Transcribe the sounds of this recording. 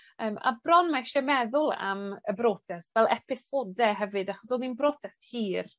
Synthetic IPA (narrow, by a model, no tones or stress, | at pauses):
əːma̰brɔnmaʃɛmɛðʊlˠa̰məbɾoːtʰɛsvɛlˠɛpʰɪsoːdɛɦɛvɨdaχɔsɔninbroːtʰɛsthiːr